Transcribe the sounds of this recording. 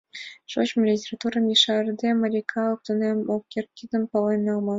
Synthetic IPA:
ʂoɕmlʲitʲerɑt̪urɑmʲiʂɑrd̪ʲemɑɾʲikʰɑɤp̚t̪ɤ̆nʲemokʲert̪̚kʲid̪ə̆npɑlˠɑjnːɑlˠmɑ

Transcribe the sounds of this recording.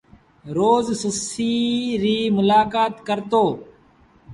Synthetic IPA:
ɾoːzsəsiːɾiːmʊlaːkaːt̪kəɾt̪oː

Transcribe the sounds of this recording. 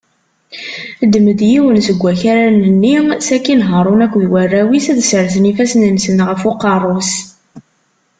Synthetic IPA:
d̪məd̪jiwənsəɡʷːæçaɾænənːisækːinɦəɾˤʊnækʷːðwærːæwisæðsəɾθənifæsnəmsənʁəfoqːɑrˤːos

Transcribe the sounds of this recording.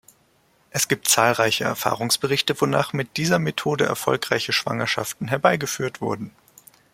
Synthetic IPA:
ʔɛsɡ̥iːp̚tt͡saːlʁaɪçəɛ̰ɐfa̰ːʁʊŋsb̥əʁɪçtəvonaːχmɪt̚d̥iːzɐmetʰoːdəʔɛ̰ɐfɔ̰lkʁ̥aɪçəʃv̥a̰ŋɐʃa̰ftn̩ɦɛɐbaɪɡəfyːɐtv̥ʊ̰ɐdn̩

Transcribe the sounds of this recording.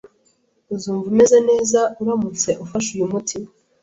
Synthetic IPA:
zuːɱvume̞zene̞ːzauɾamut͡se̞ʔufaʃujumutʰi

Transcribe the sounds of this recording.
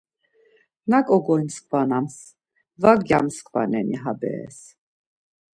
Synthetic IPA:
nakʼɔɡɔjnskʰvanams | vaɡjamskva̰nɛniɦabɛ̰ːs

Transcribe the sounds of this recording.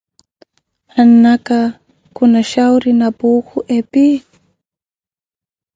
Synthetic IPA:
hanːaka | kʊnaʃawɾɪnapuːkʊʔepi

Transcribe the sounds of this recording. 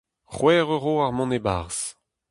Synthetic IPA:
χwɛːʁøʁoːaʁmɔ̃nebaʁs

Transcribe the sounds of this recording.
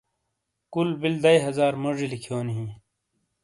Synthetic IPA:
kulbild̪ɐjɦɐzaːɾmɐʐilikʰjoːnɦĩː

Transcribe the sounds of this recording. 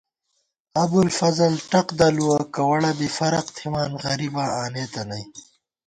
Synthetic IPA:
ɐbulfɐzɐlʈɐqd̪ɐluwakɐwɐɽɐbifɐɾɐqt̪ʰimaːnɣɐɾibaːaːneːt̪ɐnɐj

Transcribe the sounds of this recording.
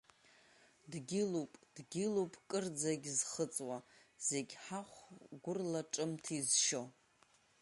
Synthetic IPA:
dɡʲɪlupʼd̥ɡʲɪlupʼkʼɨrd͡zaɡʲzχət͡sʼwaz̥e̞ɡʲħaχʷɡʷʊrlaʈ͡ʂʼɨmtʰizʃo̞

